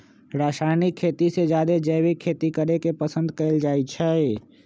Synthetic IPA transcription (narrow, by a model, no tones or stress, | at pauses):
ɾaːsaɪnikʰːeːt̪ised͡ʒjaːd̪ed͡ʒəjwekʰeːt̪ikəɾekepəsə̃nd̪kəɪld͡ʒaːit͡ʃʰɛ